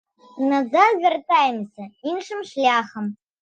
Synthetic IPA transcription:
nazavʲʷᶣɐrt̪ʼajmsɐinʂɨmʂlʲaːxəm

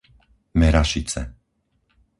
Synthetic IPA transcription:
mɛɾaʃit͡sɛ̰

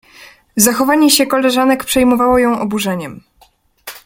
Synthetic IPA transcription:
zaxɔvaɲɛɕɛkɔlɛʐanɛkpʂɛjmɔvawɔjɔ̃w̃ʔɔbuʐɛɲɛm

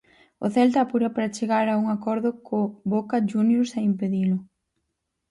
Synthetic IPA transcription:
ʊ̰θɛlt̪ɐːpuɾapaɾat͡ʃeɣaɾauŋakɔɾðʊkoβokad͡ʒunjoɾsaimpeðilʊ

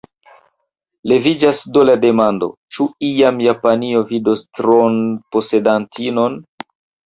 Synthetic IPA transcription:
le̞vid͡ʒasdolade̞mando̞̰t͡ʃuijamjapanio̞vidostɾonpo̞se̞dantʰino̞n

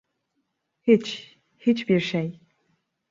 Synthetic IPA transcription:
hit͡ʃ | hit͡ʃbiɾʃej

